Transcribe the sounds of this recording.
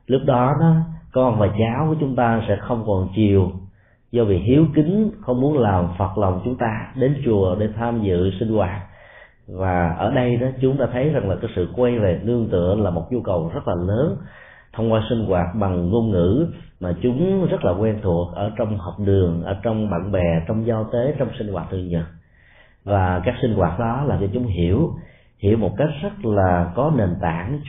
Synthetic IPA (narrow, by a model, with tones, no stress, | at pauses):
lʊ˦˥k͡p̚ɗɔ˨˦ɗɔ˨˦kə˧ɔ˧ʔa˧nvaː˨˩t͡ɕaː˨˦wku˧˩ət͡ɕʊ˨˦ŋ͡mt̪aː˧sɛ̰˧˥xə˧wŋ͡mkɔ˨˩nt͡ɕi˨˩əw | zɔ˧vḭ˨ɦi˨˦əwkï˨˦ŋ̟xə˧wŋ͡mmu˨˦ənlaː˨˩mfə˨˩t̚la˨˩wŋ͡mt͡ɕʊ˨˦ŋ͡mt̪aː˧ɗe˨˦nt͡ɕu˨˩əɗe˧˩t̪ʰaː˧mzɨ̰˧˨sï˧ŋ̟kwaː˨˩t̚ | vaː˨˩ʔəː˧˩ɗə˧jɗɔ˨˦t͡ɕʊ˨˦ŋ͡mɗa̰ː˧˥t̪ʰə˨˦jza˨˩ŋlaː˨˩kaː˨˦jsɨ̰˧˨kwa˧jve˨˩nɨ˧əŋt̪ɨ̰˧˨əŋlaː˨˩mo˨˩t̚zu˧kə˨˩wzə˦˥t̚laː˨˩ləː˨˦n | t̪ʰə˧wŋ͡mkwaː˧jsï˧ŋ̟ɣwaː˨˩t̚ɓa˨˩ŋnu˧ənŋɨ̰˧˥maː˨˩t͡ɕʊ˨˦ŋ͡mzə˦˥t̚laː˨˩kwɛ˧nt̪ʰu˨˩ək̚ʔəː˧˩t͡ɕwŋ͡mhɔ˨˩wk͡p̚ɗɨ˨˩əŋʔəː˧˩t͡ɕɔ˧wŋ͡mɓa̰ː˧˨ŋɓɛ˨˩t͡ɕɔ˧wŋ͡mza˧t̪e˨˦t͡ɕɔ˧wŋ͡msï˧ŋ̟kwaː˨˩t̚t̪ʰə˩ɲə˨˩t̚ | vaː˨˩kaː˦˥k̚sï˧ŋ̟ɣwaː˨˩t̚ɗɔ˨˦laː˨˩mt͡ɕɔ˧t͡ɕʊ˨˦ŋ͡mɦi˧˩əw | hi˧˩əwmo˨˩t̚ka˦˥jk̚zə˦˥t̚laː˨˩kɔ˨˦ne˨˩nt̪a̰ː˧˥n